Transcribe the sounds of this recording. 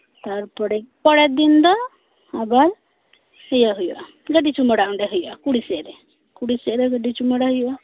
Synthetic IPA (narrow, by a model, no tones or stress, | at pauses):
t̪aɾpɔɽɛpɔɽɛt̪̚d̪ind̪ɔ | abaɾ | həjaɦujuʔa | ɡəɖit͡ʃuməɽaʔɔɳɖɛɦujuʔakuɽisɛʔɾɛ | kuɽisɛɾɛɡəɖit͡ʃuməɽaɦujuʔa